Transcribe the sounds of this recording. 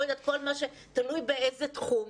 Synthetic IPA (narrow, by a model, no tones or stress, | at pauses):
ed̪at̪̚kolmaʃe | t̪alujbeejzet̪χum